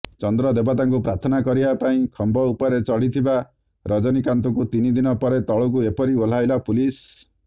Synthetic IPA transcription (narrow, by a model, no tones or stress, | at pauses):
t͡ʃɔnd̪ɾɔd̪ebat̪aŋk̬upɾaɾt̪ʰɔnakɔɾibapaĩkʰɔmbɔupɔɾet͡ʃɔɽit̪ʰiba | ɾɔd͡ʒɔnikant̪ɔkut̪inid̪inɔpɔɾet̪ɔɭɔk̬uepɔɾiol̤ajlapulis